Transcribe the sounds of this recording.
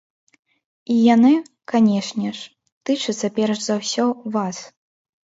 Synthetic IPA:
ijanɨ | kanʲɛʂnʲɛʂ | t̪ɨt͡ʂɨt̪sːɐpʲɛrʂzawsʲɔvas

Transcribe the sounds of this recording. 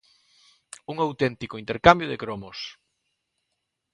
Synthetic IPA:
uŋawt̪ɛnt̪ikʊint̪eɾkambjʊðḛkɾomos

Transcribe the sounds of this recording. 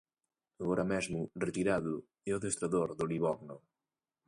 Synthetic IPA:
ɐɣɔɾʔɐmɛzmuret̪iɾaðu | ɛɔðest̪ɾɐðoɾðoliβɔɣno

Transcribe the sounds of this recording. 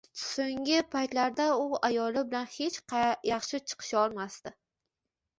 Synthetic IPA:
soŋʲɪpʰajt̪laɾd̪aʊajɒlɪbɪlanhe̞t͡ʃjɑχʃɪt͡ʃʰɨ̥qʰɨ̥ʃɒlˠmast̪ɪ

